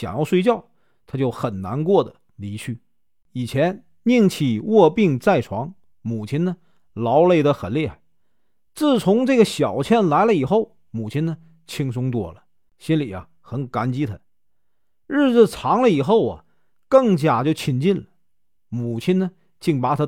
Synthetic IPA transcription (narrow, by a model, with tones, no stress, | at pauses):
ɕjɑ̰˨˩ŋjɑ˥˧ʊʂwe˥˧ɪt͡ɕjɑ˥˩ʊ | t̪ʰa˥t͡ɕjo˥˩ʊxə˨˩nna̰˧˥nkwɔ˥˩d̪ə̰˩ | li˧˥t͡ɕʰy˥˩ | i˨˩t͡ɕʰjɛ˧˥n | ni˥˧ŋt͡ɕʰi˨˩wɔ˥˧pi˥˧ŋt͡sa˥˩ɪʈ͡ʂʰwɑ˧˥ŋ | mu˨˩t͡ɕʰi˥nə˨ | lɑ˧˥ʊle˥˩ɪd̪ə˧xə˨˩nljɛ˥˩˨ | t͡sɹ̩˥˩t͡sʰʊ˧˥ŋʈ͡ʂɤ˥˩ɡə˩ɕjɑ˨˩ʊt͡ɕʰjɛ˥˩nla˧˥ɪlə˧i˨˩xo˥˩ʊ | mu˨˩t͡ɕʰi˥nə˨ | t͡ɕʰi˥ŋsʊ˥ŋt̪wɔ˥˩lə˦ | ɕi˥nli˨˩ɐ̰˦ | xə˧˥nka˧˥nt͡ɕi˥t̪ʰə˧˦ | ɻ̩˥˧d͡zɹ̩˧˩ʈ͡ʂʰɑ˧˥ŋlə˧i˨˩xo˥˩ʊɐ̰˨ | kɤ˥˩ŋt͡ɕja˨˩t͡ɕjo˥˧˩ʊt͡ɕʰi˧˥nt͡ɕi˥˩nlə˩ | mu˨˩t͡ɕʰi˥nə˨ | t͡ɕi˥˩ŋpa˧˥˩t̪ʰa˥